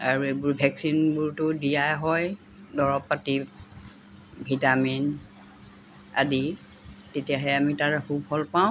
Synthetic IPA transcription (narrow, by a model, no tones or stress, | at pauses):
aɹuebʊɹbʱɛksinbʊɹtʊdijajɦɔj | dɔɹɔpːatib | bʱitamin | a̰di | tetijaɦɛamitaɹɛxubhɔlpaw̃